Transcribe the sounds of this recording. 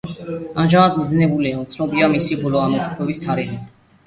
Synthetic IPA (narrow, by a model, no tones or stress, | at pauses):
anʒamad̪miznɛbulɛamt̪sʰnɔbiamisibɔlɔanɔt̪ʰu̥kʰɔbist̪ʰaɾiχɛ